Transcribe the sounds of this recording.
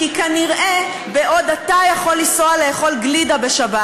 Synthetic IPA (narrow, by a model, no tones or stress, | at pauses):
kikaniʁʔe̞ | beʔo̞dat̪ajaχo̞lːisoaleːχo̞lɡlidabeʃaba